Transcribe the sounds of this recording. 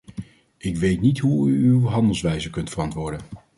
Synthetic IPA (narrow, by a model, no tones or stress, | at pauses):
ɪkʋejtnitɦuyywɦɑndəlˠsʋɛjzəkɵntfərɑntʋʊːɹdən